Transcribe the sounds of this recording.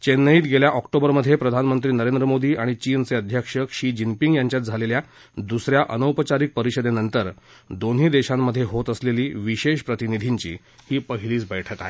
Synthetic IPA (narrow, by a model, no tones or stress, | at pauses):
t͡ɕenːəiːt̪ɡeljaʔɔkʈobəɾməd̪ʱjepɾəd̪ʱanmənt̪ɾiːnəɾend̪ɾəmod̪iːʔaɽ̃it͡ɕiːnt͡seəd̪ʱjakʂəkɕiːd͡ʑimpiŋɡjaɲt͡ɕjat̪̚d͡zʱalelja | d̪usɾjaʔə̰nəwpət͡ɕaɾik̚pəɾiɕəd̪enənt̪əɾ | d̪onɦiːd̪eɕãmːəd̪ʱːjeɦot̪əsleliːʋiɕeɕpɾət̪inid̪ʱiɲt͡ɕḭː | hiːpəɦiliːt͡sbɛjʈʰət̪aɦe